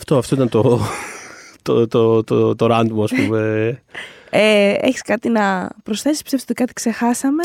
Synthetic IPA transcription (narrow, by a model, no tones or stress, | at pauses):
ɐft̪oɐft̪o̞it̪ɐnt̪o | t̪ot̪ot̪ot̪oɾɐnd̪muɐspume | eḛçi̥skɐt̪inɐpɾosθe̞si̥spi̥st̪esiot̪ikɐt̪ikse̞xɐsɐme